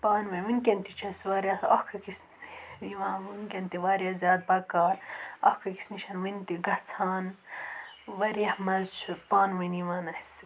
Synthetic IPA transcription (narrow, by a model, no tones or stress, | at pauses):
paːnʋɐʋinkʲent̪it͡ʃʰɐsʋaːɾʲjaɐhkʰɐkis | iʋãːʋinkʲent̪iʋaːɾʲjaːzjaːd̪̚bɐkaːɾɐhkʰɐki̥sniʃɐnʋint̪iɡɐt͡sʰaːn | ʋɐɾjɐhmɐt͡ʃʰpaːnʋɐniʋaːnɐhis